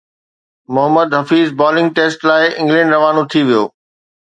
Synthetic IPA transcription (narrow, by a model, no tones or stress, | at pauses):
mʊɦəmːəd̪ɦɐfiːzbɔːlɪ̃ŋɡ̚ʈeːsʈlaːɪʔɪ̃ŋɡlə̃ɳɖɾɐʋaːnot̪ʰiʋijo̰ː